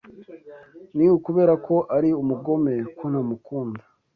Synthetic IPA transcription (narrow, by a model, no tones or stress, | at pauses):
niwukuβe̞ːɾakʰo̞ʔaɾiumuɡo̞me̞kwonamukuːndḁ